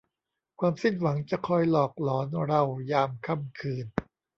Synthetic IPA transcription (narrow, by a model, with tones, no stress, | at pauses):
kʰwaː˧msi˥˩nwa˩˦ŋt͡ɕa˨˩kʰɔ˧jlɔː˨˩k̚lɔː˩˦nɾa˧wjaː˧mkʰa˧˥˩mkʰɯː˧n